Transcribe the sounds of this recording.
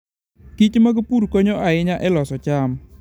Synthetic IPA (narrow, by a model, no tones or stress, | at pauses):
kit͡ʃmaɡpuɾkɔɲɔʔaɪɲaʔɛlɔsɔt͡ʃam